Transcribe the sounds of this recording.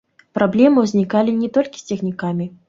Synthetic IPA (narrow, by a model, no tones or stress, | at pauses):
pɾablʲɛmɨwzʲnʲikalʲinʲɛt̪ɔlʲkʲi̥sʲt͡sʲɛxnʲikamʲi